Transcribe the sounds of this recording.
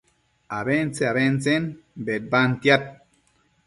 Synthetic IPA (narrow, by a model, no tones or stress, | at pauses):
aβent͡seaβent͡senbet̪̚bant̪jat̪̚